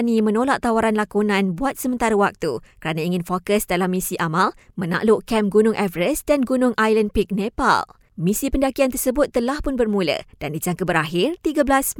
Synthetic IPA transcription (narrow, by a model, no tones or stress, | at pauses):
nĩmə̃nolaʔt̪awaɾanlakunãnbuat̪̚səmənt̪aɾəwak̚t̪ukəɾanãiŋɪnfokəsdalamːĩsiʔamalmə̃na̰ʔlʊʔkɛmɡunʊŋʔɛvəɾəsdanɡunʊŋʔajlənpik̚nẽpa̰l | mĩsipəndakiant̪ərsəbʊt̪ːəlahpʊnbərmũlə̰d̥andid͡ʒaŋkəbəɾaɦɪrt̪iɡəblas